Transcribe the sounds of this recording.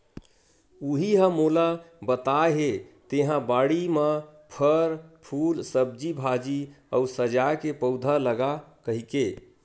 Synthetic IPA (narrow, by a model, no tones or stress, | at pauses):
uɦiɦə̃molabət̪aɦet̪eɦãbaɽimapʰəɾpʰulsəb̚d͡ʒibʱad͡ʒi | ə̰usəd͡ʒakepəʊd̪ʱaləɡakəɦike